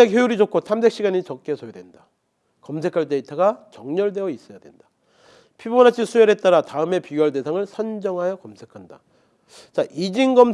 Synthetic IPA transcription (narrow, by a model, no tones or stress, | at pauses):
ekjojuɾid͡ʑok̚kʰosʰambe̞k̚ɕ͈iɡaɲit͡ɕʌk̚k͈e̞sʰojodwe̞nda | kʌmsʰe̞kʰaɭt͈e̞itʰaɡat͡ɕʌŋɲʌɭdwe̞ʌis͈ʌjadwe̞nd̥a | pʰibonat͡ɕʰisʰujeɾet̚t͈aɾataɯme̞piɡjʌɭde̞sʰaŋɯɭsʰʌnd͡ʑʌŋɦajʌkʌmsʰe̞kʰanda̰ | t͡ɕaʔid͡ʑiŋɡʌm